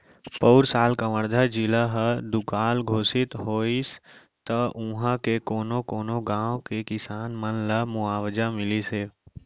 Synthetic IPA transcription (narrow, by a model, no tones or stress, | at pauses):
poːɾsaːlkəməɾd̪ʱad͡ʒɪlaɦəd̪ʊkaːlɡʱoːsɪt̪ɦoːis | t̪əʔũɦãkekoːnokoːnoɡãːwkekɪsaːnmənləmʊaːwd͡ʒamɪliseː